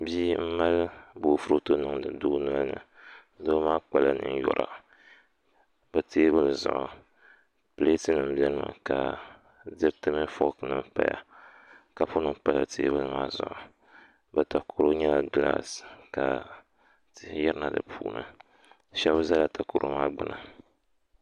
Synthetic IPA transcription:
bi˦m̩˦ma˦lboː˨fu˦ɾo˦to˦nɨ˦ŋ˨dɨ˨du˦nɔ˦lnɨ̰˨˦ | doː˦maː˦k͡pa˨la˦nɨ̰˦n˦jɔ̰˨ɾa̰˨ | bɛ˨teː˦bɨ˦lɨ˨zʊ̰˨ʔʊ˨ | pɨ˨le˦tɨ˦nɨ˨m̩˨bʲɛ˦lma̰˨ka˨ | dɨ˦btɨ˦mɨ˦fo˦knɨ˦m˦pa̰˦ja̰˨ | ka˨pʊ˦nɨ˨m˦pa˦la˨tʰeː˦bɨ˦lɨ˦maː˦zʊ̰˨ʔʊ˨ | bɛ˨ta˨kʰo˨ɾo˦ɲɛ˦la˦˨ɡla̰˦ska˨ | tɨ˦jɛ˦ɾɨ˦na˨dɨ̰˨pʰuː˦nɨ̰˦ | ʃɛ˦bza˦la˨tʰa˨ko˨ɾʔo˦maː˦ɡ͡bɨ˦na˨

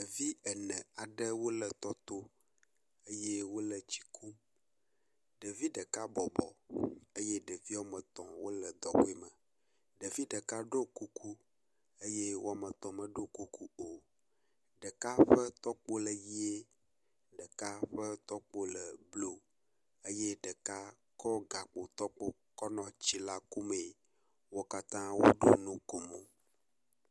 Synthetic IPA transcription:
ɖə˨vi˦ə˨nə̃˨a˨ɖə˦wo˦lə˨t̪ɔ˦t̪o˦ | ə˦je˦wo˦lə˨t͡ɕi̥˨kʰu˦ | ɖə˨vi˦ɖə˨ka˦bɔ˨bɔ̰˨ə˦je˦ɖə˨vi˦a˦mə̃˨t̪ɔ̰̃˨wo˦lə˨d̪ɔ˨wo˦ɛ˦mə̃˨ | ɖə˨vi˦ɖə˨ka˦ɖo˦ku˦kʰu˦ | eə˦je˦wo˦a˨mə˨t̪ɔ̃˨mə˨ɖo˦ku˦ku˦o˨ | ɖə˨ka˦ɸɛ˦t̪ɔ˦k͡po˦lə˨ji˦e˦ | ɖə˨ka˦ɸə˦t̪ɔ˦k͡po˦lə˨blo˨ | e˦je˦ɖə˨ka˦ | kɔ˦ɡa˨k͡po˨t̪ɔ˦k͡po˦ | kɔ˦nɔ̃˨t͡ɕi˦la˦ku˦me˨ | wo˦ka˦t̪ã˦wo̰˦ɖo˦nũ˦ko˨mõ˨

